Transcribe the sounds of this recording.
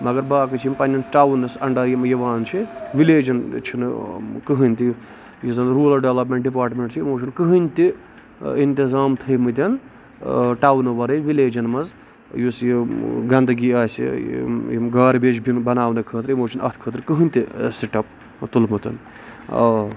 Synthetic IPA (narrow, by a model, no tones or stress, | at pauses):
mɐɡɐɾbaːkɨt͡ʃʰimpɐnʲjɐnʈawnɐsɐɳɖɐjimɐjɐʋaːnt͡ʃʰiʋileːd͡ʒɐnt͡ʃʰinkɨɦɨnʲt̪i | jizɐnɾuːlɐɖɐlɐp̬meɳʈ̚ɖip̬aːɾʈmʲeɳʈt͡ʃʰimoːt͡ʃʰɐnkɨɦɨnʲt̪i | int̪izaːmt̪ʰɨjmɨt̪̬ʲɐn | ʈawnɐʋɐɾɐʋileːd͡ʒɐnmɐz | jusjiɡɐnd̪ɨɡiaːsʲḭjimɡaːɾbeːt͡ʃbʱinbɐnaːʋnɨkʰəːt̪ɾimoːt͡ʃʰunɐ̰t̪ʰkʰəːt̪ɾkɨɦɨnʲt̪isiʈɐp̚ | t̪ulmɨt̪ɐn | ɐ̰